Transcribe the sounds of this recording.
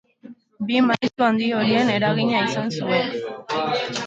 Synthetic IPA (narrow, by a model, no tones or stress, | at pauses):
bimajst̪uand̪io̞ɾie̞ne̞ɾaɣiɲaisansue̞n